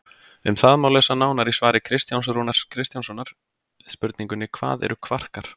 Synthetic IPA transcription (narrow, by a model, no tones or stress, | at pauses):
ʏmθaðmaːwlœsanaːwnaɾisvaːɾɪkʰɾɪst̪jawns̬ɾuːnḁskʰɾɪst̪jansɔnːaɾ̥ | spʏɾt̪niŋkʏnɪkʰva̰ːðɛ̰ɾʏkʰvar̥kaɾ̥